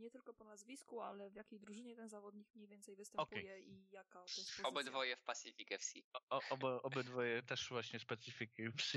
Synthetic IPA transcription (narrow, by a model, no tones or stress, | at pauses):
ɲɛt̪ɘlkɔpɔnazvʲiskualɛvjakʲejd̪ɾuʐɘɲɛt̪ɛnzavɔd̪ɲikmɲejvʲjɛnt̪sɛjvɘst̪ɛmɔpɛjɛijakaɔt̪ɛsɔɔbɨd̪vɔjɛfpasʲifʲikɛfsʲḭɔɔbɔʔɔbɘd̪vɔjɛt̪ɛʂvwaɕɲɛspɛt̪sifʲikips